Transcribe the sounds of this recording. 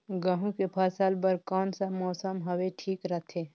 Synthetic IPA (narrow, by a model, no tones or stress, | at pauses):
ɡəɦũkepʰaːsaːlbəɾkɔːnsamɔːsəmɦɐweʈʰiːkɾət̪ʰeː